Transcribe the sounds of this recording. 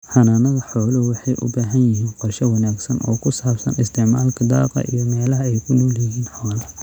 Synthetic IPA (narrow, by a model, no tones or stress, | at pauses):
ħɑnanɐðɐħɔːlɐwɑħɑjʔʊ̰baːɦɐnjɪɦiːnqɔrʃɐwɑnaːɡsɐnʔɔ̰ːkʰʊsaːbsɐ̰nɪst̪ʰɪʕmaːlkʰɐd̪ɑ̰ːqɐ̰ʔḭjɔmɛːlɐɦɐɛjkʰʊnuːljɪɦiːnħɔːlɐ